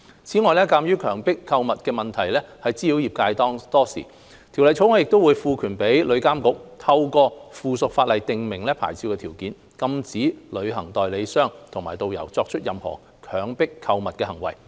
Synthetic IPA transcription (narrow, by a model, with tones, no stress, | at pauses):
t͡sʰiː˨˥ŋɔː˨˧jlɛː˥kaː˧mjyː˥kʰœː˨˩ŋpɪ˥kʰːɐ˧wmɐ˨t̚kɛː˧mɐ˨nt̪ʰɐ˨˩jlɛː˥hɐ˨jt͡siː˥liː˨˥wjiː˨˩p̚kaː˧jt̪ɔː˥ŋt̪ɔː˥sḭː˨˩ | t̪ʰi˨˩wlɐ˨jt͡sʰo˨˥wŋɔː˨˧jɪ˨k̚t̪o˥wuː˨˧jfuː˨˧kʰyː˨˩npe˨˥jlɵ˨˧ɥkaː˥mkʊ˨˧˥k̚t̪ʰɐ˧wkɔː˧fuː˨sʊ˨k̚faː˧t̚lɐ˨jt̪ɪ˨ŋmɪ˨˩ŋlɛː˥pʰa̰ː˨˩jt͡sʰi˧wkɛː˧t̪ʰiː˨˩wkiː˨˥n | kɐ˧mt͡siː˨˥lɵ˨˧ɥɦɐ˨˩ŋt̪ɔː˨jle˨˧jsœː˥ŋt̪ʰʊ˨˩ŋmaː˨˩jt̪o˨wjɐ̰˨˩wt͡sɔː˧k̚t͡ʃʰɵ˥t̚jɐ˨mhɔ̰ː˨˩ | kʰœː˨˥ŋpɪ˥kʰːɐ˧wmɐ˨t̚kɛː˧hɐ˨˩ŋwɐ̰˨˩j